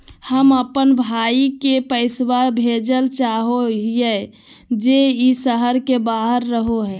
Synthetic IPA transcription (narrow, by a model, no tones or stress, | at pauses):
həməpənbʱaikepəɪswabʱed͡ʒəlt͡ʃaɦoɦije | d͡ʒeisəɦəɾkebaɦəɾːəɦoɦɛ